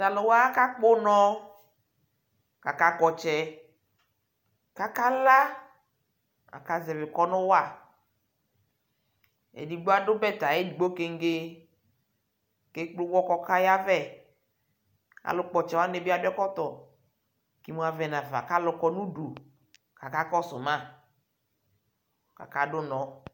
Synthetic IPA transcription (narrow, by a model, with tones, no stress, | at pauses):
ta˨lʊ˨wa˦ka˦k͡po˦nɔ̃˦ | ka˨ka˦kɔ˨t͡ʃɛ˨ | ka˦ka˦la˦ | a̰˨ka˨zɛ˨vɪ˨kɔ˦nʊ̃˦wa˦˨ | ḛ˨di˨ɡ͡bo˦a˦ɖʊ˦bɛ˦t̪a˨je˦di˨ɡ͡bo˦ke˦ŋ̩˦ɡe˦ | ke˦k͡plʊ˦wɔ˦kɔ˦ka˦ja˦vɛ˦˨ | a̰˨lʊ˦k͡pɔ˨t͡ʃɛ˨wa˦ne˨bi˦a˨bi˦ɔ˦kɔ˦t̪ɔ˨ | ki˦mũ˦a˨vɛ˨nã˨va̰˨ka˦lʊ˨kɔ˦nũ˦ɖu˨ | ka˨ka˦kɔ˦sʊ˨mã˦˨ | ka̰˨ka˦ɖʊ˦nɔ̃˨